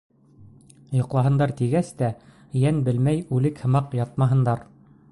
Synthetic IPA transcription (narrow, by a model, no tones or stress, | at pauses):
jŏqlˠɑɦɤ̆nd̪ɑɾt̪iɡæst̪æ | jænbɘlmæjʉlɘkhɤ̆mɑqjɑt̪̚mɑɦɤ̆nd̪ɑɾ